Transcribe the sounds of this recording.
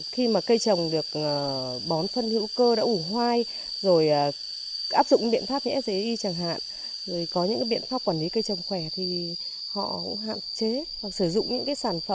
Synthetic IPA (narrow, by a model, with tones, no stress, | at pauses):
xi˧maː˨˩kə˧jt͡ɕə˨˩wŋ͡mɗɨ˨˩ək̚ʔəː˨˩ | ɓɔ˨˦nfə˧nhḭ˧˥wkəː˧ɗa̰ː˧˥ʔu˧˩ɦwaː˧j | zo˨˩jʔː | ʔaː˦˥p̚zʊ̰˧˨ŋ͡mɓḭ˧˨nfaː˦˥p̚ɲɨ̰˧˦˥t̚zə˨˦ʔi˧t͡ɕaː˧˩ŋɦa̰ː˧˨n | zo˨˩jkɔ˨˦ɲɨ̰˧˥ŋkaː˨˦ɓḭ˧˨ənfaː˦˥p̚kwaː˧˩li˨˦kə˧jt͡ɕə˨˩wŋ͡mxwɛ˧˩t̪ʰi˨˩ | hɔ̰˧˨kʊ̰˧˥ŋ͡mɦa̰ː˧˨nt͡ɕe˨˦vaː˨˩sɨ˧˩zʊ̰˧˨ŋ͡mɲɨ̰˧˥ŋkaː˨˦jsaː˧˩nfə˧˩